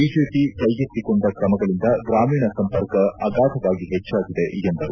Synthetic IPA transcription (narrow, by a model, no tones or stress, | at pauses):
iːd͡ʒeːpikɐjɡit̪ːikoɳɖ̪ɐkɾɐmɐɡɐɭind̪ɐɡɾaːmiːɳɐsɐmpɐɾkɐɐɡaːd̪ʱɐʋaːɡiɦet͡ʃːaːɡid̪e̞ʔiɡɐnd̪ɐɾu